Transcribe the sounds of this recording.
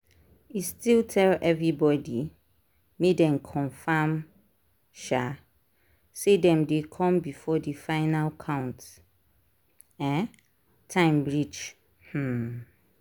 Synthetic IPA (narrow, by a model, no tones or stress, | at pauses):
istiltʰɛlɛvɹibɔdi | medɛ̃nkʰɔ̃nfãm | ʃa | sedɛ̃mdekʰɔ̃mbifɔdifãɪnalkʰãʊ̃nt | ɛ̃n | tʰãɪ̃mbɹid͡ʒ | h̩